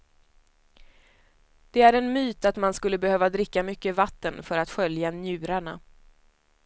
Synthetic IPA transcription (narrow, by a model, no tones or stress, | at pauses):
d̪̥ɛæɾɛnmyːt̪at̪manskɵlːəbɛhøːvad̪ɾɪkːamʏkːəvat̪ːənfœɾat̪ɧœljanjʉ̟ːɾaɳa̰